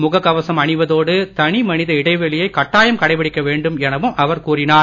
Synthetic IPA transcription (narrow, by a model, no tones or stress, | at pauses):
mʊɣɐkːɐʋɐsɐmɐɳɪʋɐðoːɽɯt̪ɐɳimɐnɪðɐɪɽɐɪʋɛɭɪjɐɪkɐʈːaːjɐmkɐɽɐɪpɐɽɪkːɐʋeːɳɖɯmɛnɐʋɯmʔɐʋɐɾkuːrɪnaːɾ